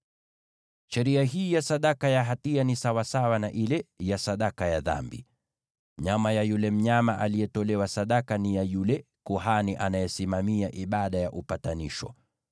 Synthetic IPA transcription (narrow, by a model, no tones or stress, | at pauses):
ʃɛɾiaɦiːjasaɗakajaɦatianisawasawanaʔilɛjasaɗakajaða̰mbḭ | ɲamajajulɛm̩ɲamaʔalijɛtɔlɛwasaɗakanijajulɛ | kuɦaniʔanajɛsimamiaʔiɓaɗajaʔupataniʃɔ̰